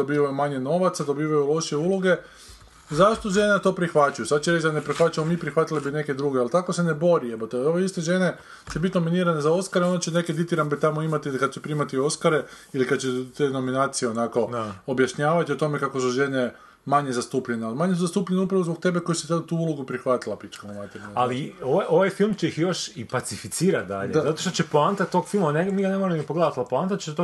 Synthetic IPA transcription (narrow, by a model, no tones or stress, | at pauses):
d̪obiːʋajumaɲe̞no̞ʋat̪sad̪o̞biːʋajulo̞ʃie̞uːlo̞ɡe̞ | zaʃt̪oʒe̞net̪o̞ːpɾixʋat͡ʃujusad̪̚t͡ɕeɾet͡ʃd̪anepɾixʋat͡ʃamomipɾixʋat̪ilebine̞ke̞d̪ɾuːɡealt̪ako̞sene̞bo̞ɾiepat̪ooʋeist̪e̞ʒe̞ne̞ | t͡ʃebit̪no̞miniːɾanezao̞skaɾeo̞nd̪at͡ɕene̞ked̪it̪iɾambet̪amoimat̪ilikad̪̚t͡ɕepɾiːmat̪io̞skaɾe̞ | ilikad̪̚t͡ɕet̪eːno̞minaːt̪sije̞o̞nako̞objaʃɲaːʋat̪io̞t̪o̞me̞kakosuʒe̞ne̞ | maɲe̞zast̪uːpʎenealimaɲesuzast̪uːpʎeneupɾaʋozbo̞k̚t̪e̞beko̞jsit̪et̪uːulˠoɡupɾixʋat̪ilˠapit͡ʃkamumat̪eɾaalioaʔo̞ʋajfilˠmt͡ɕeixjo̞ʃipat̪sifit̪siːɾat̪̚d̪a̰ʎezat̪oʃt̪ot͡ʃepoant̪at̪t̪ːo̞ɡfilmaneniɡanemoɾmniɡpoɡled̪at̪alipoant̪at̪̚t͡ʃet̪o